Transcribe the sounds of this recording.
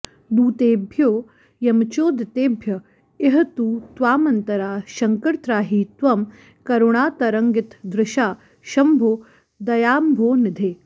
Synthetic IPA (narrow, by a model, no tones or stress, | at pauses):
d̪uːt̪eːbʱjoː | jɐmt͡ʃoːd̪ʱɐt̪eːbʱjɐ | eɦɐ̆t̪uːt̪ʋaːmɐnt̪ɐɾaːʃɐŋkɐɾt̪ɾaːɦiːt̪ʋɐm | kɐɾoɳaːt̪ɐɾɐŋɡɪt̪d̪ɾɪʃaː | ʃɐmbʱoː | d̪ɐjaːmbʱoːnɪd̪ʱeː